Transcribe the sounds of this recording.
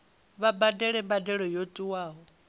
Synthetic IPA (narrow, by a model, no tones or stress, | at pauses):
βabadɛɺɛmbadɛɺɔjotʼiwaːɦɔ